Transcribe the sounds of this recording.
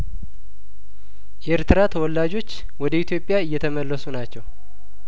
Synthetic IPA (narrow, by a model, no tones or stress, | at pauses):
ʔɛeɾt̪ʰɨɾat̪ʰəwɔlːad͡ʒo̞t͡ʃː | wɔd̪əit̪ʰjo̞pʼːjaɨjːɛt̪ʰəməlːəsunat͡ʃːɛw